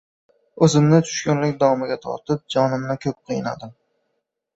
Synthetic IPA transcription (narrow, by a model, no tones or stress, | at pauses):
ɵzɪmnɪt̪ʰʊ̥ʃkʲʊnlɪkʲd̪ɒvɒmɪɡʲat̪ʰɒ̰ɾt̪ʰɪp̚d͡ʒɒnɪmnɪkʲʰɵp̚qʰɨjɪna̰d̪ɪm